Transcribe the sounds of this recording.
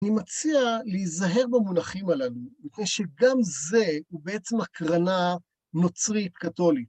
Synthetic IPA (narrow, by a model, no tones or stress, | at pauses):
nimat͡sialeizaɦe̞ʁbamunaχimalalumitnejʃe̞ɡamze̞ubeet͡semakʁana | no̞t͡sʁit̚kato̞lit